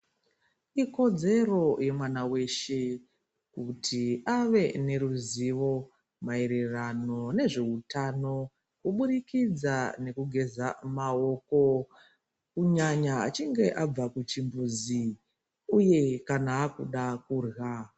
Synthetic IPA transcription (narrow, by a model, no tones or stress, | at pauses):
iko̞d͡ze̞ro̞je̞mwanawe̞ʃe̞ | kutʰiaʋe̞ne̞ɾuziʋo̞ | mae̞ɾerano̞ne̞ʐe̞utano̞ | kuɓuɾikid͡zane̞kuɡʱe̞zamao̞ko̞ | kuɲaɲa̰ːt͡ʃiŋɡe̞ʔab͡vakut͡ʃimbuzi | uje̞kanaːkuɗakurɣa